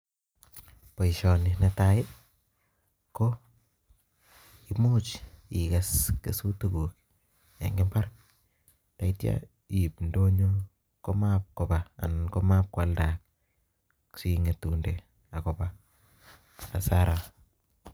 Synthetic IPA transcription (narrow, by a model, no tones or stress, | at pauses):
poiʃɔninetaɪ | ko | imut͡ʃikaskḛsutuɡuk | ja̰ŋɡempark̚ | taitja̰ | ipndoɲo | komap̚kobaa̰nkomap̚kwaldak̚ | siŋetunde | akɔba | asaɾʔa